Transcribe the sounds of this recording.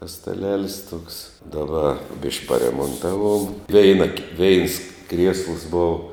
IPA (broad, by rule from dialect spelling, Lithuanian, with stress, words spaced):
tɐs stɐˈlʲæːlʲɪs tuɔks dɐˈbɐ bʲɪʃʲkʲ pɐrʲɛmoːnˈtɑːˌʋuɔm ˈʋʲɛɪnɐ kʲɪ ʋʲɛɪns krʲiɛslˠs ˈboːw